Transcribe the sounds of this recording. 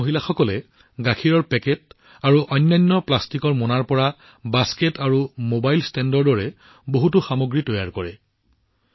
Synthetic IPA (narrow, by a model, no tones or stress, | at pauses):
oɦilaxɔkɔlɛ | ɡakʰiɹɔɹpɛkɛt̚ | aɹuʔɔjnːajnːɔplastikɔɹmɔnaɹpɔɹa | basketaɹumobajlstɛndɔɹdɔɹɛ | boɦutuxamoɡɹitɔjaɹkɔɹɛ